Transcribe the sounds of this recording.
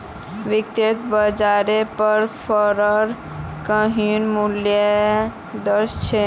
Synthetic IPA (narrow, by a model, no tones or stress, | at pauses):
ʋɪk̚t̪et̪bəd͡ʒaɾepəɾpʰəɾəɾ | kəɦinmuljə | d̪əɾst͡ʃʰe